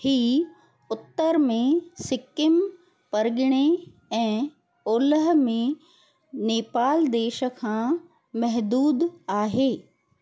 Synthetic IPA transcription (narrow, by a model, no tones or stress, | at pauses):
hiː | ʊt̪ːəɾmẽsɪkɪm | pɐɾɠɪɽ̃e | ɛ̃ː | oːləɦ̆mẽ | neːpaːld̪eːʃə̆kʰãː | mɐɦd̪uːd̪aːɦeː